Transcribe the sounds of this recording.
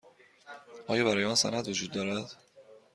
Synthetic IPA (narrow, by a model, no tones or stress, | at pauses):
ʔɒːjɒːbæɾɒːjeɒːnsæ̰næd̪vod͡ʒuːd̪ːɒːɾæd̪̥